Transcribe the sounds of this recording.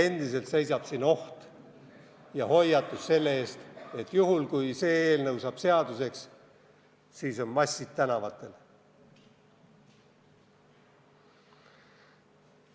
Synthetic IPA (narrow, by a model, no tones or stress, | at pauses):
e̞nd̪̥ise̞lt̪se̞jsɑb̥sino̞ht̪ | jɑho̞jːɑt̪ːˑusse̞lːee̞ːst̪e̞t̪ːˑjuɦulkujse̞ːeːlnɤwsɑb̥se̞ɑd̪̥use̞ks | siːso̞nmɑsʲːid̪̥t̪ænɑvɑt̪ːˑe̞l